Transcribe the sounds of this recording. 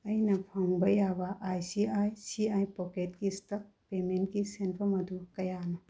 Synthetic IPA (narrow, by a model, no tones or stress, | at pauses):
ɐjnɐpʰɔŋbɐjabaʔːjsiajsiajpɔket̚kistɐk̚pement̚kisenpʰɐmɐd̪ukɐjanɐ